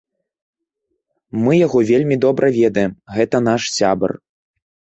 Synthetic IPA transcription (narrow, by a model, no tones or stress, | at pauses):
mɨjaɣɔvʲelʲmʲid̪ɔbɾʔɐvʲɛd̪ɐjɛmɣɛt̪ɐn̪aʂsʲabɐ̰r